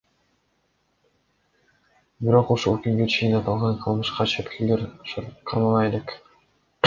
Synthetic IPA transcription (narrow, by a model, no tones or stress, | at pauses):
biɾo̞quʃulˠkʲyŋɡøt͡ʃʰijinɑt̪ɑlˠʁɑɴqʰɯlˠmɯʃqɑt͡ʃʰet̪kʰʲeleɾqʰɑɾmɑlˠɑjele̞k